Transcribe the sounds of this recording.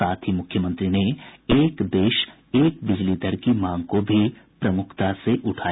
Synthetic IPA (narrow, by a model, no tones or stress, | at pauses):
aːt̪ʰɦimʊkʰjəmə̃nt̪ɾineeːkd̪eːʃ | eːk̚bɪd͡ʒlid̪əɾkimãːŋɡkobʱipɾɐmʊkʰt̪aseʔʊʈʰaː